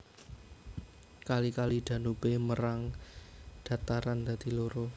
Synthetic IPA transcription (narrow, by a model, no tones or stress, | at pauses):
kalikalid̪̥ä̤nubeməɾaŋ | d̪̥ä̤t̪aɾand̪̥ä̤d̪̥i̤loɾo